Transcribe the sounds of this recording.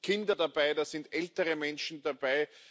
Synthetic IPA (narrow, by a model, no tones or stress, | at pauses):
kʰɪndɐdab̥aɪdaːz̥ɪndʔɛltəʁəmɛnʃn̩dab̥aɪ